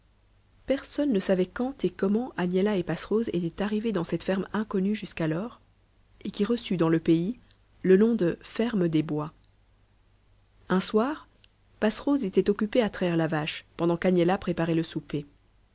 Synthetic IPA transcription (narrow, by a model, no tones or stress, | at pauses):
pɛʁsɔnːəsavɛkɑ̃t̪ʰekɔmɑ̃ʔanjɛlaepasχozḛt̪ɛt̪aʁived̪ɑ̃sɛt̪fɛʁmɛ̃kɔnyʒyskalɔʁ | ekʲiʁəsyd̪ɑ̃ləpei | ləlɔ̃d̪əfɛʁmd̪ebwa | ɛ̃swaːʁ | pasχozet̪ɛt̪ɔkʲypeat̪χavɛʁlavaʃpɑ̃d̪ɑ̃kanjɛlapχepaʁɛləsupe